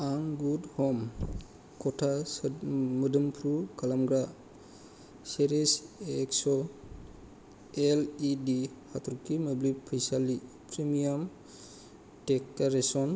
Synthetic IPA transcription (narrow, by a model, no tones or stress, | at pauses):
aŋɡudhɔm | kɔtʰasmədɯmpʰɾukalamɡɾa | seɾeseksɔ | elidihat̪ʰɾukiməblipʰːəjsali | pʰɾemijam | tekːaɾesɔn